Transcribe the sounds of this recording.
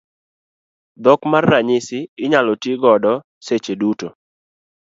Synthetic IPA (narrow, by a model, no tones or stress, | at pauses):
d̪ɔkmarːaɲɪsɪɪɲalɔtɪɡɔdɔ | set͡ʃeduto